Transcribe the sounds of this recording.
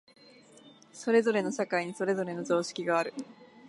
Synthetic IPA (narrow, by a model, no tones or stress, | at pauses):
so̞ɾe̞zo̞ɾe̞no̞ɕakaiɲ̟iso̞ɾe̞zo̞ɾe̞no̞zo̞ːɕi̥kʲiɡaːɾɯ̟